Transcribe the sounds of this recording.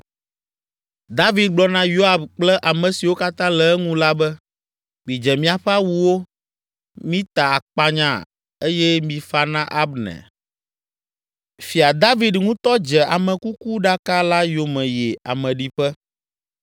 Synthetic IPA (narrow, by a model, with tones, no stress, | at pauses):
d̪a˦vi˨d̪̚ɡ͡blɔ˦nã˦jo˦a˨bk͡plɛ˦ʔa˨mɛ̃˨si˨wo˦ka˦t̪ã˦lɛ˨ɛ˦ŋũ˦la˦bɛ˦ | mĩ˨d͡ʒɛ˨mĩ˦a˨ɸɛ˦a˦wu˨wo˦ | mĩ˦t̪a˨a˨k͡pa˦ɲã̰˦ | e˦jɛ˦mĩ˨fa˦nã˦ʔa˦bnɛ̰˨ | fi˨a˨d̪a˦vi˦d̪ŋũ˦t̪ɔ˦d͡ʒɛ˨a˨mɛ̃˨ku˦ku˦ɖa˦ka˦la˦jo˨mɛ̃˨jɛ˨a̰˨mɛ̃˨ɖi˨ɸɛ˦